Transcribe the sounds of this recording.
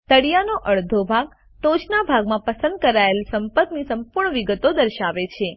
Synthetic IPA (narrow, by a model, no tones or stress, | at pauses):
t̪əɽijanoʔəɭd̪ʱobʱaɡ̚ | t̪od͡ʒnabʱaɡmãpəsə̃nd̪̚kəɾaelsəmpət̪nisəmpuɾɳ̃əʋiɡət̪od̪əɾʃaʋet͡ʃʰe